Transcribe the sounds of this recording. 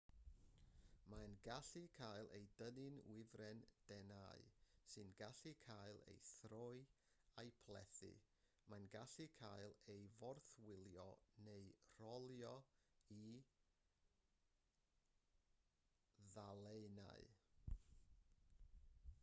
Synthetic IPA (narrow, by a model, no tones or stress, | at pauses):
manɡaɬikʰajlˠʔḛjdənɪnwɪvrɛnd̥ɛna̰ɨsɨnɡaɬɨkʰaɨlˠḛjθrɔɨ | ajpʰlˠɛθɨ̰ | manɡaɬɨkʰajlˠejvɔrθwɪlˠjɔnejr̥ɔlˠjɔi | ðalˠejna̰ɨ